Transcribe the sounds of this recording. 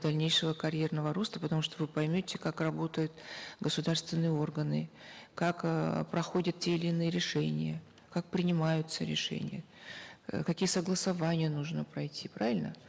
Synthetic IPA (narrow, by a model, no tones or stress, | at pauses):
d̪ɐlʲnʲejʂəvəkɐɾʲjernəvəɾo̞st̪əpət̪ɐmuʂt̪ovɨpɐjmʲotʲɪkakrɐbo̞t̪əjʊt̪ɡəsʊd̪arst̪vʲɪnːɨjəo̞rɡənɨkakpɾɐxo̞dʲət̪̚tʲeɪlʲɪːnɨjəɾʲɪʂɛnʲɪjə | kak̚pɾʲɪnʲɪmajʊt̪səɾʲɪ̰ʂɛ̰nʲɪjə̰ | kɐkʲijəsəɡlˠəsɐvanʲɪjənuʐnəpɾɐjtʲipɾavʲɪlʲnə̰